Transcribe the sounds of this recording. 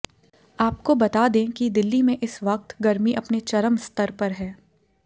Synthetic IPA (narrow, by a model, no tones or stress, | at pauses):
aːp̚kobɐt̪aːd̪ẽːkid̪ɪlːimẽʔɪsʋɐq̚t̪ɡɐɾmiʔɐpnet͡ʃɐɾəmst̪əɾpɐɾɦɛː